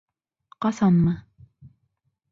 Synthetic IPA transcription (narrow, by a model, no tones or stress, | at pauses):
qɑsɑnmɤ